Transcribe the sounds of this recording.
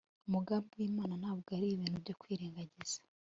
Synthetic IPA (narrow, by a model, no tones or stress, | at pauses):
umuɡaːmbiwiːmaːnanhaːβuɡaɾiiβiːnubɟo̞kwiːɾeːŋɡaɟiz̥ḁ